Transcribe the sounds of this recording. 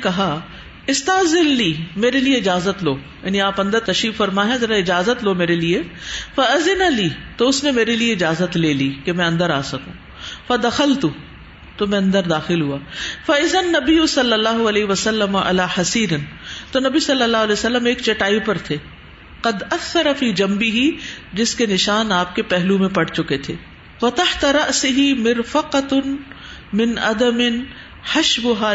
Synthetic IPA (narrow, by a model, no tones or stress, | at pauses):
kɐɦa | ɪst̪aɦzɪlliːmeːɾelieɪd͡ʒaːzət̪loː | ja̰ːniaːpɐ̃nd̪əɾt̪ɐʃɾiːffɐɾmaːɦãzɐɾaɪd͡ʒaːzət̪loːmeːɾeliefɐɐzɪnaliːt̪oʊsnemeːɾelieɪd͡ʒaːzət̪leːliːkemɛ̃ɐ̃nd̪əɾaːsɐkũː | fɐd̪ɐxəlt̪u | t̪omɛ̃ɐ̃nd̪əɾd̪aːxɪlɦuaːfɐɪzɐnːɐbɪjʊsɐlːɐlːaːɦʊɐleːɦʋɐsɐlːɐmɐʔɐ̰laːħɐsiːɾɪnt̪onɐbisɐlːɐlːaːɦʊːlɛːjsɐlːəmeːkt͡ʃɐʈaːipɐɾt̪ʰeː | qɐd̪ɐθːɐɾɐfiːd͡ʒɐ̃mbɪɦid͡ʒɪskenɪʃaːnaːp̚kepɛɦlumẽpɐɽt͡ʃʊket̪ʰeː | fɐt̪ɐħt̪ɐɾɐʔsɪɦimɪɾfɐqɐt̪ | mɪnɐ̰d̪ɐmɪn | hɐʃbʊɦaː